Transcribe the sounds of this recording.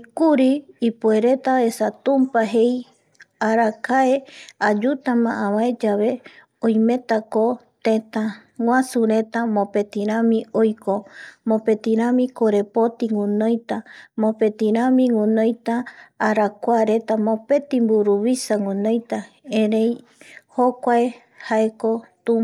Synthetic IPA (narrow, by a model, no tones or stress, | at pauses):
ikuɾiːpue̞ɾe̞t̪ae̞sat̪ũmpaɦe̞j | aɾakaead͡ʒut̪amãʔãβaed͡ʒaβe | õj̃mẽ̞t̪ako | t̪ẽ̞t̪a | ŋwʷãsuɾe̞t̪amõpe̞t̪ĩɾ̃ãmĩojkomõpe̞t̪ĩɾ̃ãmĩkoɾe̞po̞t̪iŋũnõjt̪amõpe̞t̪ĩɾãmĩŋũnõjt̪aːɾakʷaɾe̞t̪amõ̞pe̞t̪ĩmbuɾuβisaŋũnõjt̪a | ẽɾej | hokʷae | hae̞ko̞t̪u